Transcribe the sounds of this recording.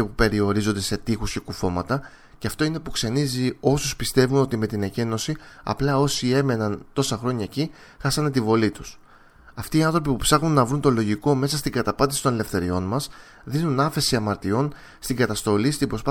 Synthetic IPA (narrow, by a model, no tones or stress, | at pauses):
epupe̞ɾio̞ɾizo̞nd̪e̞se̞t̪ixusce̞kufo̞mɐt̪ɐ | ceɐft̪o̞ine̞pukse̞nizio̞suspist̪e̞vuno̞t̪ime̞t̪inece̞no̞siɐ̰plɐo̞sie̞me̞nɐnt̪o̞sɐxɾo̞ɲɐeci | xɐsɐnet̪ivo̞lit̪u̥s | ɐft̪iːɐnθɾo̞p̬ipupsɐɣnunːɐvɾunt̪o̞lo̞ʝiko̞me̞sɐst̪iŋɡɐt̪ɐpɐnd̪isit̪one̞le̞fθe̞ɾio̞nmɐs | ðinunɐfe̞siɐmɐɾt̪io̞n | st̪iŋɡɐt̪ɐst̪o̞list̪imbɾo̞spɐ